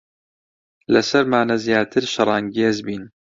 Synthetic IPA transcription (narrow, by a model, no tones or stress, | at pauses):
lɐsɐɾmaːnɐzjaːt̪ʰɨɾʃɨɾˤɑːŋɡiezbiːn